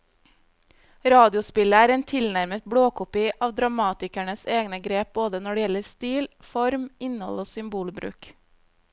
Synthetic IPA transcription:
ɾɑːd̪ɪʊspɪləæːɾeːnt̪ʰɪlnæɾmət̪̚bɽoːkʊpɪʔɑːʋd̪ɾɑmɑːt̪ɪkæɳəseːɡnəɡɾeːp̚boːd̪ənɔɖɛjɛləɾst̪iːlfɔɾmɪnhɔ̰loːsʏmbuːlbɾʉ̰ːk

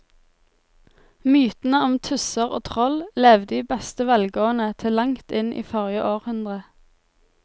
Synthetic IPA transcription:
myːt̪n̩əɔmt̪ʰʉsəʁo̰ːt̪ʰʁɔlleːʋd̪iːbɛst̪əʋɛlɡoːənət̪ʰɪlɑŋt̪ɪnʔḭːfɔʁjəʔoːʁhʉnd̪ʁə

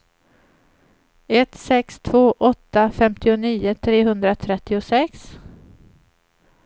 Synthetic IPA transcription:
ɛt̪sɛkst̪ʰvoːʔɔt̪ːafɛmt̪ɪʊniːʊt̪ʰɾeːɦɵnd̪ɾat̪ʰɾɛt̪ːɪʊsɛks

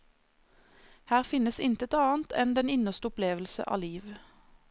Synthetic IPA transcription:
hæːʁfɪnəsɪnt̪ət̪ɑːnt̪ʰɛnd̪ɛnɪnəʁst̪əʊpleːʋəl̩sə̰ʔɑ̰ːliːʋ

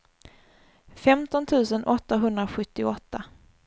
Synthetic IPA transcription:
fɛmt̪ɔnt̪ʰʉ̟ːsənʔɔt̪ːaɦɵnd̪ɾaɧɵt̪ːɪɔt̪ːa

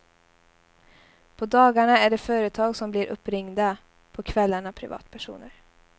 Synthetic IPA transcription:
pʰɔd̪ɑːɡaɳaæɖɛfœːɾət̪ʰɑːɡsɔmblɪɾʔɵ̰pːɾɪŋd̪a | pʰɔkʰvɛlːaɳapʰɾɪvɑ̰ːt̪pʰæʂṵːnəɾ

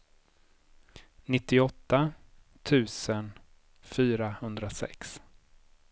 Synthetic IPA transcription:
nɪt̪ːɪɔt̪ːa | t̪ʰʉ̟ːsən | fyːɾahɵnd̪ɾasɛ̰ks

